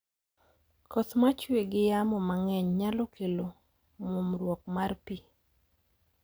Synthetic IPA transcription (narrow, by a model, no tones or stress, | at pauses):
kɔsmat͡ʃweɡɪjamɔmaŋɛɲɲalɔkelo | momɾwɔkmarpi